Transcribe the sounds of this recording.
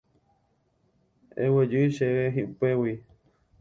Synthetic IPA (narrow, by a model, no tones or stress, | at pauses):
ḛwed͡ʒɨjʃeweɦiʔpewi